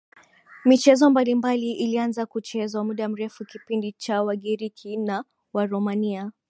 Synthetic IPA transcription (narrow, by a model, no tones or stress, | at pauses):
mit͡ʃɛzɔmbalimbaliʔilianzakut͡ʃɛzwamuɗam̩ɾɛfukipindit͡ʃawaɠiɾikʰina | waɾɔmania